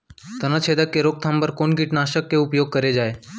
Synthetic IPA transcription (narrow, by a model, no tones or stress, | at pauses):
t̪ənət͡ʃʰeːd̪əkːeɾoːk̚t̪ʰãmbəɾkoːnkiʈnaːʃəkːeʊpjoːɡ̚kəɾed͡ʒaːeː